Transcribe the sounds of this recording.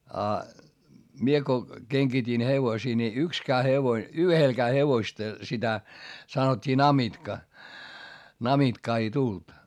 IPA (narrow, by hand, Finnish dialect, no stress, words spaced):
ɑ mie ko keŋɡ̊itin heʋosiː ni ykskæː heʋoĭ yhelkæː heʋoĭstɑ sitæ sɑnotʲːiː nɑmitkɑ nɑmitkɑː ei tult